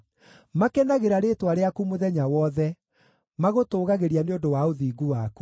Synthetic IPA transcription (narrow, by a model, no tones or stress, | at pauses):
makɛnaɣeɾaɾeːtwaɾeakumoðɛɲawɔðɛ | maɣotoːɣaɣeɾianeondowaoðiːɡuwaːku